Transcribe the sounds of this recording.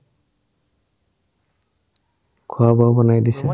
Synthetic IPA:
kʰʊabawbɔnajdisɛ

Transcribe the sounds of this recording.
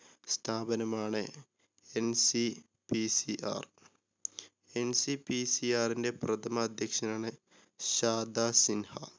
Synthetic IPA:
st̪ʰaːbɐnɐmaːɳɨ | ensi | pisiʔa̰ːr | ensipisiaːrinde̞prɐt̪ʰɐmɐːd̪ʱjɐkʂɐnaːɳɨ | ɕaːd̪ʱaːsinhɐ

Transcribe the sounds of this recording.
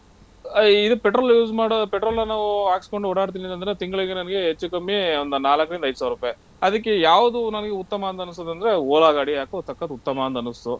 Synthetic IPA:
id̪upeʈɾoːljuːsmaːɽpeʈɾoːlnɐnaːʋuaːkisko̞ɳɖuɔɽaːɽt̪̬inint̪ɐnd̪ɐɾet̪iŋɡɐɭiɡenɐnɐɡeɦet͡ʃːukɐmːieond̪unaːlɐkːɐɭind̪ɐj̪saːʋɾupːe | ɐd̪ɐk̬ːejaːʋud̪unɐnɐɡeut̪ːɐmɐːnt̪ɐnːus̬t̪oːd̪ɐnd̪ɐɾeoːɭaːɡaːɽijaːkut̪ɐkːɐd̪ut̪ːɐmɐːnt̪ɐnust̪u

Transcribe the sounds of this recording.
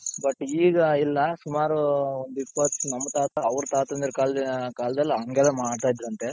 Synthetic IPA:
bɐʈːiːɡɐilːɐsumaːɾuond̪uipːɐt̪ːsunɐmːɐt̪aːt̪ɐɐʋɾut̪aːt̪ɐnd̪iɾkaːlkaːlɐd̪ɐlːiɐŋɡɛlːemaːɖt̪aːjd̪iɾɐnt̪e

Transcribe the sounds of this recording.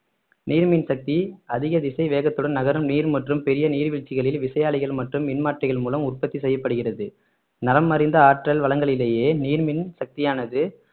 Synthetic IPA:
niːɾmɪnsɐk̚t̪iɐðɪɣɐðɪsɐɪʋeːɣɐt̪ːɯɽɐnɐɣɐɾɯmniːɾmɐʈrɯmpɛɾɪjɐniːɾʋɪɻt͡ʃːɪɣɐɭɪlʋɪsɐjaːɭɪɣɐɭmɐʈrɯmːɪnmaːʈrɪɣɐɭmuːlɐmʊrpɐt̪ːisɛjːɐpːɐɽɯɣɪrɐðɯ | nɐɾɐmːɐɾɪnd̪ɐaːʈrɐlʋɐɭɐŋɡɐɭɪleːjeːniːɾmɪnsɐk̚t̪ɪjaːnɐðɯ

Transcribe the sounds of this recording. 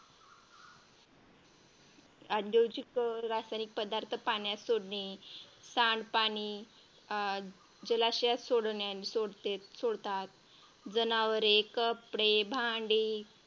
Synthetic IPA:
ad̪jowd͡ʑikɾasajnik̚pəd̪aɾt̪ʰəpaɳjasoɽɳisãɳɖpaɽ̃i | d͡ʑəlaɕjasoɽnjansoɽt̪et̪soɽt̪at̪ | d͡zənaʋəɾekəpɽebʱaɳɖiː

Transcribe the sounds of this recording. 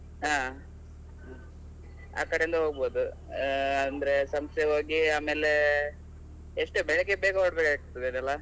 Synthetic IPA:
ɦaː | a̰ːkɐɽeind̪ɐɦoːɡboːd̪u | ɐnd̪ɾe̞sɐmst̪eɦoːɡiaːmeːle | eʂʈubɛɭekːebeːɡɐoɽbekaːk̚t̪ːid̪inɐlːa

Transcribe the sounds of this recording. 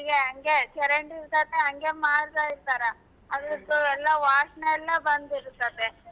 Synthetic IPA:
iɡeɐŋɡet͡ʃɛɾeɳʈiɾut̪ɐt̪ːeɦɐŋɡe̞maːɾt̪aiɾt̪aːɾa | ɐd̪ɐt̪ːuɛlːɐʋaːsɳɐɛlːɐbɐnd̪iɾut̪ːɐt̪e

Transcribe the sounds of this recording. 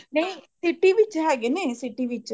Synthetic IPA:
nejsiʈːiʋit͡ʃːɦaɡenesiʈːiʋit͡ʃː

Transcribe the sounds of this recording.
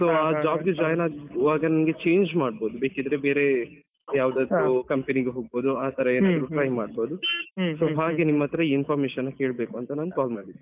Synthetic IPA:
soːaːd͡ʒaːbɡed͡ʒaːjnaːɡʋaːɡɐnɐnɡe̞t͡ʃe̞ːɲd͡ʒmaːɖ̚bo̞ːd̪ube̞ːkid̪ɐɾebeːɾe̞ | jaːʋd̪aːd̪ukɐmpeniɡeɦoːɡ̚boːd̪uaːt̪ɐɾɐeːnnaːd̪ɐɾuʈɾɐjmaːɖboːd̪usoːɦaːɡenimːɐt̪ɐɾɐiinpʰaːɾmeːʃɐnːɐke̞ːɭbeːkuɐnt̪ɐnaːnkaːlmaːɽɖid̪ːe

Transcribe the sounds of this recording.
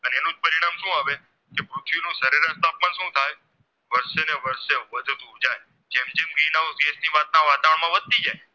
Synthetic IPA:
əneenũd͡ʒpəɾiɽ̃amʃũaʋe | kepɾut̪ʰʋinũsəɾeɾəst̪apːəɳʃũt̪ʰaj | ʋəɾʃeneʋəɾʃeʋəd̪ʱud̪ʱubd͡ʒaj | d͡ʒemd͡ʒemɡɾinausɡesniʋat̪̚naʋat̪aʋəɳmãʋəd̪̚t̪id͡ʒaj

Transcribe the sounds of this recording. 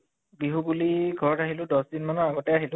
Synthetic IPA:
ɡiɦubuliɡʱɔɹɔtaɦilʊ̃dɔsdinmanɔaɡɔtɛaɦilʊ̃

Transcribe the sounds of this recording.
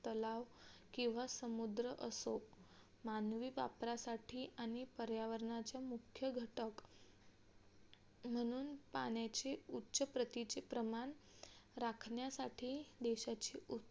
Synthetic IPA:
t̪əlaʋkĩw̃ʋasəmud̪ɾəʔəso | manʋiːʋa̰pɾasaʈʰiːʔaɽ̃ipəɾjaʋəɾɳat͡ɕjamukʰjəɡʱəʈək | m̤əɽ̃uːnpa̰ɽjat͡ɕeutːɕəpɾət̪it͡ɕepɾəmaɳɾakʰɳjasaʈʰiːd̪eɕat͡ɕiʔu

